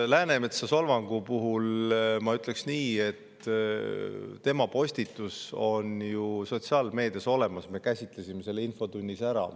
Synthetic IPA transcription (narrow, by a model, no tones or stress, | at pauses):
læːne̞me̞t̪sɑso̞lvɑŋɡ̥upuɦulmɑyt̪ˑle̞ksniːe̞t̪ | t̪e̞mɑpo̞sʲt̪it̪ːˑuso̞njuso̞t̪siɑːlme̞ːd̪̥jɑso̞le̞mɑsme̞kæsʲit̪ˑle̞sʲime̞se̞lːeinfo̞t̪unʲːisæɾɑ̰